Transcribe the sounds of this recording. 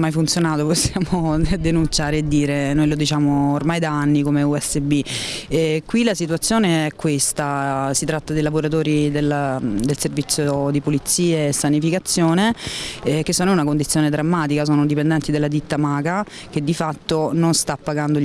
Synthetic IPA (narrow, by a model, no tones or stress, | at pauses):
mːajfunt̪sjonaːt̪oposːjaːmod̪ːenunt͡ʃaːɾeːd̪ːiːɾenojlod̪it͡ʃaːmoːrmajd̪aanːikomeuɛsːebi | kwilasit̪uat̪sːjoːneɛkːwest̪asit̪ɾat̪ːad̪ejlavoɾat̪oːɾid̪eld̪elservit̪sːjod̪ipolit̪sːiːaːsːanifikat̪sːjoːne | k̟esːoːnounakond̪it̪sjoːned̪ɾamːaːt̪ikas̬oːnod̪ipend̪ɛnt̪id̪elːad̪it̪ːamaːɡa | ked̪ːifat̪ːononst̪apːaɡand̪o